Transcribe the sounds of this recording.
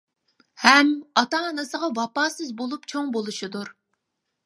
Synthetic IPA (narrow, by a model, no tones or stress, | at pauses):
hɛmɑt̪ɑːnɨsəʁɑvɑpɑːsɨzbolˠupt͡ʃʰoŋbolˠuʃid̪uɾ